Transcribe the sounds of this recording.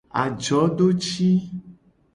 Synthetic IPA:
a̰˨d͡ʒɔ˨˦ɖo˦t͡ʃi˦

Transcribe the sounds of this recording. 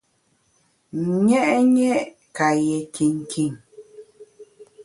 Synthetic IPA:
ɲɛ˦ʔɲɛ˦ʔ | ka˨jɛ˨kʰi˨ŋ˨kʰi˨ŋ

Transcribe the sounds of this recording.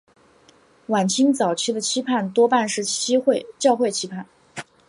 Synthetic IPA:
wa˨˩nt͡ɕʰi˥ŋt͡sɑ˨˩ʊt͡ɕʰy˥d̪ə˨t͡ɕʰi˥pʰa˥˩nt̪wɔ˥pa˥˧nʂɻ̩˥˩˥xt͡ɕjɑ˥˧ʊxwe˥˩ɪt͡ɕʰi˥pʰa˥˩n

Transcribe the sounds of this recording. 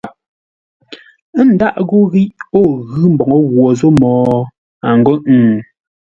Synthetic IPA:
n̩˨da˦ʔɣu˦ɣi˦ʔo˦˨ɣɯ˦m̩˨bɔ˨ŋɔ˦ɣwɔ˨zo˦mɔː˨ | a˨ŋ˨ɡo˦ʔŋ̩˨

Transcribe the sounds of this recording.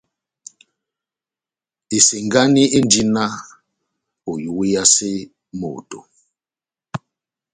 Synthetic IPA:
e˨si˨ŋɡa˦ni˦ʔe˦ndi˦na˦ | o˨ju˨wi˦ja˦se˦ | mo̰˨to̰˨

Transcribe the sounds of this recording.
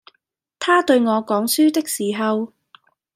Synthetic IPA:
t̪ʰaː˥t̪ɵ˧ɥŋɔː˨˧kɔː˨˥ŋsyː˥t̪ɪ˥k̚siː˨˩ɦɐ˨˧w

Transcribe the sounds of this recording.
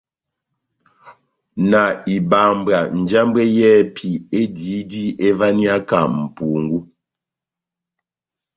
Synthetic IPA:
na˨i˨ba˨mba˨n̩˨d͡ʒa˦mbwɛ˦jɛ˦pʰi˨e˦di˨˦di˦ʔe˦va˦ni˦a˦ka˨m̩˨pu˨ŋɡu˦

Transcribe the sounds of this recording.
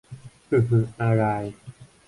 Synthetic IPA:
ʔɯ˧˩ɦɯ˧ʔa˧ɾa˧j

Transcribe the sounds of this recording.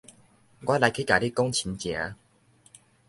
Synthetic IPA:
ɡwa˦˥la˨˧jkʰi˦ka˨˦li˦kɔ˦ŋt͡ɕʰi˨˧˦nt͡ɕja̰˨˦

